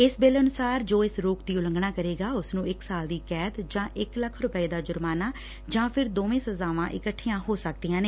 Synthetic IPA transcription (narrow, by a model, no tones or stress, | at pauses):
ɪsbeːlənʊsaːɾd͡ʒoːɪsɾoːkd̪iːʊlə̃ŋɡnaːkəɾeːɡaːʊsnũːɪksaːld̪iːkɛːt̪d͡ʒãːʔɪkləkʰɾʊpəiːd̪aːd͡ʒʊɾmaːnaː | d͡ʒãːpʰɪɾd̪oːʋẽːsəzaːʋãːʔɪkəʈʰːiːjãːɦoːsək̚d̪iːjãːneː